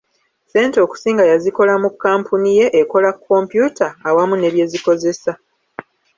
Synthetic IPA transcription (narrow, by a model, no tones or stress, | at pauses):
se̞ːnteo̞ːku̥siːŋɡajaziko̞lamukːaːmpʰunije̞ʔeko̞lakʰːo̞ːmpjuːtaːwamune̞βje̞ziko̞ze̞sa